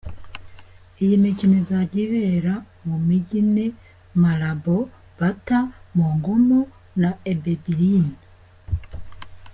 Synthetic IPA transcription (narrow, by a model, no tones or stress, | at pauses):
ejimicinezaɟiβeɾa | mumiɟine | maɾabo | b̥atamoːŋɡomo | naebebiɾini